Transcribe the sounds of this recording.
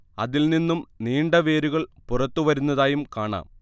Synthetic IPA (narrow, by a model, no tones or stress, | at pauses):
ɐ̰ðilninːumniːɳɖɐʋe̞ːɾuɣɐɭpurɐt̪ːuʋɐɾunːɐðaːjumkaːɳa̰ːm